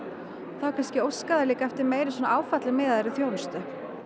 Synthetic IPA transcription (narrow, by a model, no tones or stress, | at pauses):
θawkʰanscɪowskaðaliːkaɛft̪ɪɾmeːjɾɪsɔnaaːwfat̪lɪmɛːðaðɛɾɪθjownʏst̪ʏ